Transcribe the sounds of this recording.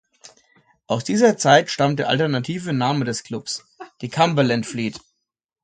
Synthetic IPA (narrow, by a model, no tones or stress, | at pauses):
ʔaʊsd̥iːzɐt͡saɪtʃtamt̚d̥eːɐʔa̰ltɛɐnatʰiːvənaːmədɛsklʊps | d̥iːkʰambɐlɛntfliːt